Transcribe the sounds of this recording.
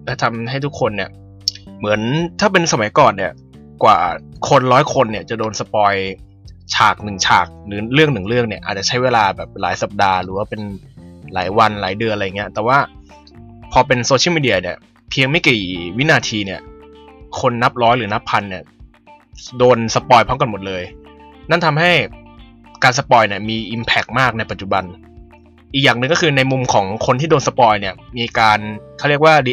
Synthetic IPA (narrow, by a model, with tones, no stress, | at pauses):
ʔa˧˩t̪ʰa˧mɦa˥˩jt̪ʰu˥kʰːo˧nːi˥˩ə | mɯ˩˦ənt̪ʰaː˥˩p̬e˧nsa˧ma˨˦jkɔː˨˩nːi˥˩ə | kwa̰ː˨˩kʰo˧nɾɔː˦˥jkʰo˧nːi˥˩ɐt͡ɕa˨˩doː˧nsa˧pɔː˧j | t͡ɕʰaː˨˩k̚nɯ˨˩ŋt͡ɕʰa̰ː˨˩k̚lɯː˩˦ɾɯ˥˩əŋnɯ˨˩ŋɾɯ˥˩əŋni˥˩ɐʔaː˨˩t͡ɕa˨˩t͡ɕʰa˦˥jweː˧laː˧bɛː˨˩p̚laː˩˦jsa˨˩p̚daː˧ɾɯː˩˦waː˥˩pe˧nla̰ː˩˦jwa˧nla̰ː˩˦jdɯ˧ənʔa˧jŋi˦˥ɐt̪ɛː˨˩waː˥˩ | pʰɔː˧p̬e˧nso˧t͡ɕʰi˥˩˨miː˧di˧ɐ˧ni˥˩ə | pʰi˧əŋma˥˩jkiː˨˩wi˦˥naː˧t̪ʰiː˧ni˥˩ɐ | kʰo˧nːa˦˥p̚ɾɔː˦˥jɾɯː˩˦na˦˥pʰːa˧nːi˥˩ɐ | doː˧nsa˧˥pɔː˧jpʰɔ˦˥ŋka˧nmo˨˩t̪̚lɤː˧jna˥˩nt̪ʰa˧mɦa˥˩j | kaː˧ns̬a˧pɔː˧jni˥˩ɐmiː˧ʔi˧mpʰɛ˦˩k̚maː˥˩k̚na˧jpa˨˩t̪̚t͡ɕu˨˩ba˧n | ʔi˨˩k̚jaː˨˩ŋnɯ˧ŋkɔː˥˩kʰɯː˧na˧jmu˧mkʰɔː˩˦ŋkʰo˧nt̪ʰiː˥doː˧nsa˧pɔː˧jni˥˩ɐmiː˧kaː˧nkʰa˥˩ɾi˥˩ək̚waː˥˩li˦